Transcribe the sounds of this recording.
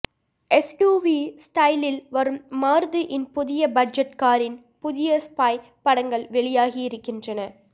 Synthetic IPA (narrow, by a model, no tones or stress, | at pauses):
ɛsjuːʋisʈɐɪlɪlʋɐɾɯmːaːɾðɯʔɪnpʊðɪjɐbɐd͡ʒɐʈkaːɾɪn | pʊðɪjɐspaːj | pɐɽɐŋɡɐɭʋɛɭɪjaːɣiɪɾɯkːɪndrɐnɐ